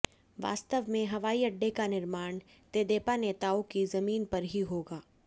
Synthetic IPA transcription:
ʋa̰ːst̪əʋmẽɦɐʋaːiɐɖːekanɪɾmaːɳ̃ | t̪eːd̪eːpaneːt̪aːokizɐmiːnpɐɾɦiɦoːɡaː

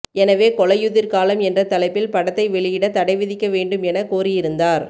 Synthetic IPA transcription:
ɛnɐʋeːkɔɭɐjʊðɪɾkaːlɐmɛndrɐt̪ɐlɐɪpːɪlpɐɽɐt̪ːɐɪʋɛɭɪjɪɽɐt̪ɐɽɐɪʋɪðɪkːɐʋeːɳɖɯmɛnɐkoːrɪjɪɾɯnd̪aːɾ

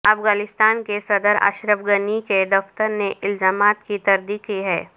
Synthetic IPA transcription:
ɐfɣaːnɪst̪aːnkesɐd̪əɾa̰ːʃɾəʋɡəniked̪ɔft̪əɾneʔɪlzaːmaːt̪kit̪ɐɾd̪iːkiɦɛː

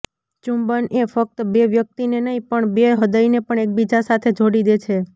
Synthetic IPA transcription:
t͡ʃumbənefək̚t̪beʋjək̚t̪inenəɦĩpəɳbeɦəd̪əinepəɳek̚bid͡ʒasat̪ʰed͡ʒʱoɽid̪et͡ʃʰe

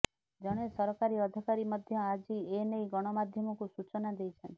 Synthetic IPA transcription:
d͡ʒɔɽ̃esɔɾɔkaɾiɔd̪ʱikaɾimɔd̪ʱjɔad͡ʒienejɡɔɽ̃ɔmad̪ʱjɔmɔkusut͡ʃɔnad̪ejt͡ʃʰɔnt̪i̥

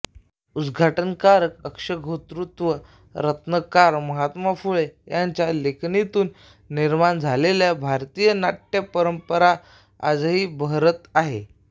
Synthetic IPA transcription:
ud̪ɡʱaʈənkaɾəkəkʂəɡʱot̪ɾut̪ʋə | ɾət̪nəkaɾməɦat̪mafuɭejaɲt͡ɕjalekʰnit̪uːnː | iɾmand͡zʱaleljabʱaɾt̪ijənaʈːjepəɾəmpəɾa | a̰d͡zɦiːbəɦɾət̪aɦe

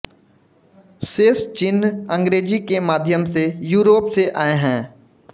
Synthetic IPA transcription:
seːst͡ʃɪnɐ̃ŋɡɾeːd͡ʒikemaːd̪ʱjəmsejuːɾoːpseʔaːeɦɛ̃ː

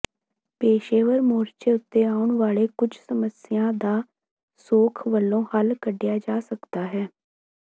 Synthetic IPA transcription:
peːʃeːʋəɾmoːɾt͡ʃeːʊt̪ːeːaːʊɳʋaːɭeːkʊd͡ʒʱsəməsɪjãːd̪aː | soːkʰʋəlːõːhəlkəɖːɪjaːd͡ʒaːsəkd̪aːɦɛː

